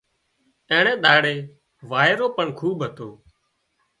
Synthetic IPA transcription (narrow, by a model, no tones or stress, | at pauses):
ɛ̃ːɳẽːɗ̪aːɽeː | ʋaːeːɾoːpəɳkʰuːɓɦət̪oː